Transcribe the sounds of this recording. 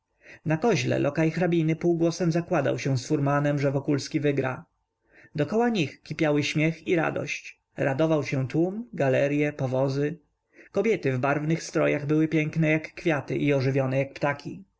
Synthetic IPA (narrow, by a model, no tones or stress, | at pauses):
nakɔʑlɛ̰lʔɔkajxɾabʲinɘpuwɡwɔsɛmzakwad̪a̰wɕɛw̃sfuɾmanɛmʐɛvɔkulskʲivɘɡɾa̰ | d̪ɔkɔwaɲixkʲipʲjawɘɕmʲjɛxiɾa̰d̪ɔ̰ɕt͡ɕ | ɾad̪ɔvawɕɛ̃t̪wumɡalɛɾjɛpɔvɔzɘ | kɔbʲjɛt̪ɘvbaɾvnɘxst̪ɾɔjaɣbɘwɘpʲjɛŋknɛjakːfʲjat̪ɘ̰ʔiɔʐɘvʲjɔnɛjak̚pt̪akʲʰi